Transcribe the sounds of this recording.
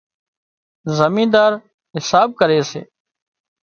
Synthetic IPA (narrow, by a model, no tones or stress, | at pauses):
zəmĩːd̪aːɾ | ɦɪsaːb̚kəɾeːsḛː